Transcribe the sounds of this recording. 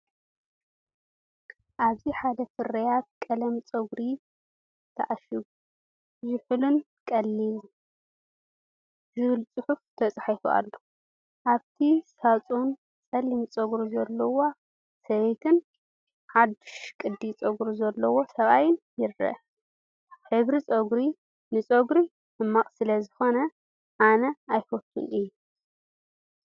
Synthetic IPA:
ʔaβziħad̪ɐfɨɾɐjat̪̚kʼɐlɐmt͡sʼɐɡɾi | t̪ʰɐʔaʃiɡu | zɪħɨlun | kʼɐlːil | zɨβɨlt͡sʼɨħuft̪ʰɐt͡sʼħifṵa̰lːo | ʔaβt̪ʰisat͡sʼun | t͡sʼɐlimt͡sʼɐɡɾuzɐlːɐwo | sɐβet̪ʰɨn | ħad̪ɨʃkʼɨd̪ːit͡sʼɐɡɾuzɐlːɐwo̞sɐβajɪnjɪɾːɐ̰ | ħɨβɾit͡sʼoɡɾi | nɨt͡sʼoɡɾi | nɨmːakʼsɨlɐzɨxo̞nɐ | ʔanɐajfot̪ʰːṵnɨjːu

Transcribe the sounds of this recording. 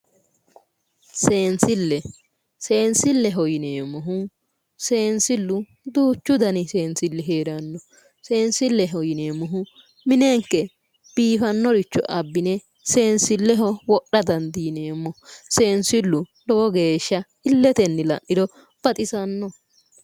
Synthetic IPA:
seːnsɪlːɛ | seːnsɪlːɛɦɔjɪneːmɔɦʊ | se̞ːnsɪlːʊ | d̪uːt͡ʃːʊd̪ɐnɪse̞ːnsɪlːɛɦeːɾɐnːɔ | se̞ːnsɪlːɛɦɔjɪneːmɔɦʊ | mɪneŋkːɛ | b̥iːfɐnːɔɾɪt͡ʃːɔ̰ʔɐbːɪnɛ | se̞ːnsɪlːɛɦɔwɔɗːɐd̪ɐnd̪iːneːmːɔse̞ːnsɪlːʊd̪ɔwɔɡeːʃːɐ | ɪlːɛt̪ɛnːɪlɐ̰nːɪd̪ɔ | b̥ɐt̪ʼɪsɐnːɔ

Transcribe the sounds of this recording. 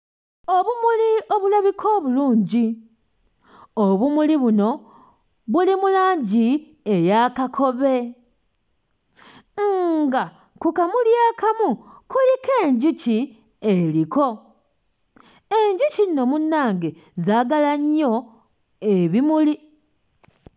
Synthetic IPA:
o̞βumulio̞βulaβikʰo̞ːβuluːɲɟi | oβumuliβuno̞ | βulimulaːɲɟi | e̞jakakʰo̞βe̞ | ŋɡa | kukamuljaːkamukulike̞ːɲɟici | eliko̞ | e̞ɲɟicinːo̞munːaːŋɡe̞ | zaːɡalaɲːo̞ | e̞βimuli

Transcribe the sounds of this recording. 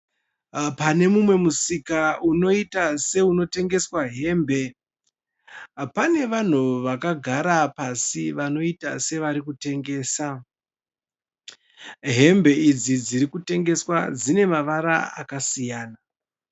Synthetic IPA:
pane̞mumwe̞musikauno̞itase̞uno̞te̞ŋɡe̞swaɦe̞ːmbʱe̞ | pane̞ʋan̤uʋakaɡʱaɾapasiʋano̞ita̰se̞ʋaɾikute̞ŋɡe̞ːsa | ɦe̞mbe̞id͡zid͡ziɾikute̞ŋɡe̞swad͡zine̞maʋaɾaa̰kasijaːna

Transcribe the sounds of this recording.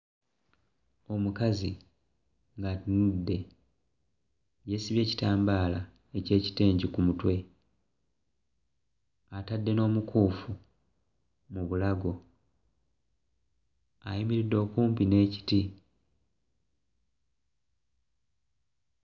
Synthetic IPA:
o̞mukazi | ŋɡatunudːe̞ | je̞siβje̞ːci̥taːmbaːla | e̞ce̞ːci̥te̞ːɲɟikumutwe̞ | atadːe̞no̞ːmukʰuːfu | muβulaɡo̞ | a̰jimiɾidːo̞ːkuːmpine̞ːci̥ti

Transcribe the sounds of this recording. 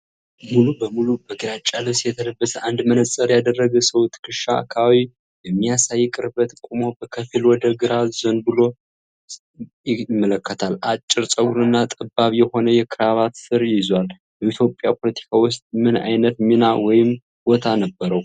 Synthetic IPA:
mulubəmulubəɡɨɾat͡ʃʼːaləsjɛt̪ʰələbːəsəʔand̪mənəsʼəɾjad̪ərːəɡəsəwt̪ʰɨ̥kɨʃaa̰kʰawi | jɛmːijasajːkʼɨɾbət̪kʷʼumobəkʰəfilwɔd̪əɡɨɾazənbɨlo̞ | jɪmːələkːət̪ʰalat͡ʃʼːɪɾsʼəɡuɾɨnːat̪ʼɨbːaβjɛho̞nəjɛkʰɨɾaβat̪sɨɾjɪzwal | bəit̪ʰjo̞pʼjapʰo̞lət̪ʰi̥kʰawʊst̪ʼmɨna̰jnət̪minawɔjɪm | bo̞t̪ʰanəbːəɾəw

